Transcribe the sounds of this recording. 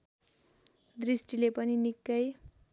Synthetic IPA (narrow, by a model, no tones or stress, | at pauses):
d̪risʈilepʌninikːʌj